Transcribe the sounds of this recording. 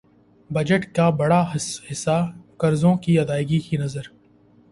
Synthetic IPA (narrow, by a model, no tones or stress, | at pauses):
bɐd͡ʒəʈkabɐɽahɪsːakɐɾzõkiɐd̪aːɪɡikinɐzəɾ